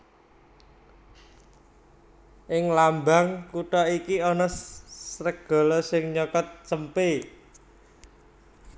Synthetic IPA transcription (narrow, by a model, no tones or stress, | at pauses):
ʔɪŋlambaŋkuʈɔikiɔnɔsɾək̚ɡ̥ɔ̤lɔsɪŋɲɔkɔt̪̚t͡ʃəmpe